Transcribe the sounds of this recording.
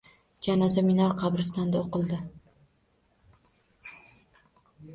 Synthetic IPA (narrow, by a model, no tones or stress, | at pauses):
d͡ʒʲanazamɪnɒɾqʰɑbɾɪst̪and̪aoqɨlˠd̪ɪ